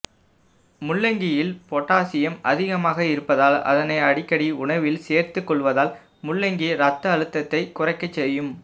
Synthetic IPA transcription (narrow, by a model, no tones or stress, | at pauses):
mʊɭːɛŋɡɪjɪlpɔʈːaːsɪjɐmɐ̰ðɪɣɐmaːɣɐɪɾɯpːɐðaːlɐ̰ðɐnɐɪɐɽɪkːɐɽiʊɳɐʋɪlseːɾt̪ɯkːɔɭʋɐðaːl | mʊɭːɛŋɡiɾɐt̪ːɐɐɻɯt̪ːɐt̪ːɐɪkʊrɐɪkːɐt͡ʃːɛjːɯm